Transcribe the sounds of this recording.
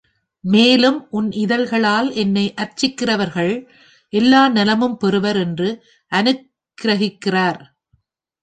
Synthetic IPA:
meːlɯmʔʊnɪðɐlɣɐɭaːlɛnːɐɪʔɐɾt͡ʃɪkːɪrɐʋɐɾɣɐɭ | ʔɛlːaːnɛlɐmɯmpɛɾɯʋɐɾɛndrɯ | ʔɐnɯk | ɾɐɣɪkːɪraːɾ

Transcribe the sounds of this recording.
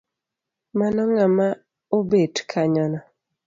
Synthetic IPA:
manɔŋama | obedkʰaɲɔnɔ

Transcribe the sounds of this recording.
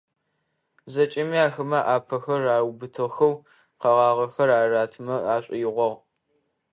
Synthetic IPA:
zɐt͡ʃʼɪmiaːxɐmɐʔaːpʰɐxɐraːwbɨtʰɨʁxɐw | qɐʁɑːʁɐxɐraːraːtʰmɐaːɕʷʼɪjɪʁʷɔʁ

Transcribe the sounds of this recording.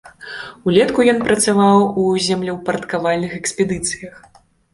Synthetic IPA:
ulʲɛt̪kujɔnpɾɐt̪savawuzʲɛmlʲɛwpɐɾɐt̪kavalʲnɨxɛksʲpʲɛd̪ɨt̪sɨ̥jɐx

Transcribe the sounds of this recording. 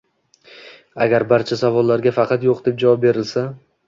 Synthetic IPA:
aɡʲaɾbaɾt͡ʃʰasavɒlːaɾɡʲafɑqʰɑt̪joqd̪e̞p̚d͡ʒavɒp̚be̞ɾɪlsa

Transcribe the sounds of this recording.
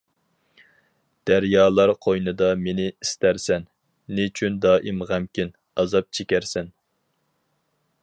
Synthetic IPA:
d̪̥æɾjɑːlˠɑɾqʰojnɨd̪ɑmenɪist̪æɾsɛnː | yt͡ʃʰynd̪ɑːʔɪmʁæmkʲin | ɑzɑp̚t͡ʃʰekʲæɾsɛn

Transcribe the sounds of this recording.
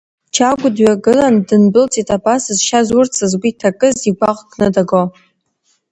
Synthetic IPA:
t͡ʃʰaɡʷʊdɥaɡɨlandɨnbɨlt͡sʼitʼabasɨzʃazʊrt͡sʰɨzɡʷitʰakʼɨziɡʷaqʼɡʰʼnɨdaɡo

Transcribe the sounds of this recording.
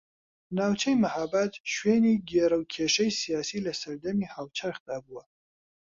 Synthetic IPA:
naːwt͡ʃʰɛjmɐhabat̪ʃweːniːɡeːɾɐwkʰeːʃɐjsijaːsiːlɐsɐɾd̪ɐmiːhaːwt͡ʃʰaɾxd̪̥aːbuwɐ

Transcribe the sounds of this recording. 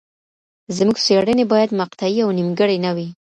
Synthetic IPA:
zmuɡseɽənebɑjad̪maqt̪ajiawnimɡəɽenawi

